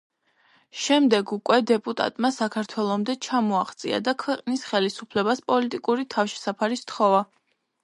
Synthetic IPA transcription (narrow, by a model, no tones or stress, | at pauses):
ʃɛmd̪ɛɡukʼwɛd̪ɛpʼut̪ʼa̰t̪ʼmasakʰaɾt̪ʰwɛlˠɔmd̪ɛt͡ʃʰamɔaχt̪sʼḭa̰d̪akʰwɛqʼnisχɛlisupʰlɛbaspʼɔlit̪ʼikʼuɾit̪ʰafʃɛ̥sapʰaɾist̪χɔva